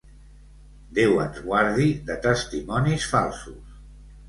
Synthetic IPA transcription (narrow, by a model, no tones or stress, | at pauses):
d̪ɛwə̰nzɣwaɾðiðət̪əst̪imɔnisfalˠsus